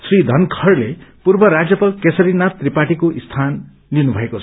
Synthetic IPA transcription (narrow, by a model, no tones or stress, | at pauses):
srid̪ʱʌnkʰʌrlepurbʌɾad͡zjʌpʌlkesʌɾinap̚t̪ripaʈikoʔist̪ʰan | linubʱʌekot͡sʰʌ